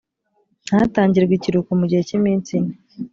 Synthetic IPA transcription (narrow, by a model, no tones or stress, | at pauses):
n̥haːtaːɲɟiɾeɡwiciɾukumuɟihecimiːnt͡sini